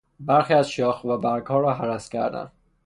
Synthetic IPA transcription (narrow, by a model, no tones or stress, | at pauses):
bæɾxiːæzʃɒːxvæbæɾɡhɒːɾɒːɦæɾæscʲʰæɾd̪æ̰n